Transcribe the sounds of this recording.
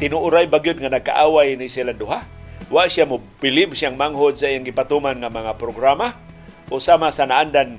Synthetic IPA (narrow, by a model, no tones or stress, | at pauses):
t̪ɪnʊʔʊɾajbaɡijʊd̪̚ŋanaɡ̚ka̰ʔawajnisilandʊɦa | waʔsjamʊpɪlɪbsiaŋmaŋɦod̪̚saʔijaŋɡipat̪umanŋamaŋapɾoɡɾama | ʔosamasanaʔandan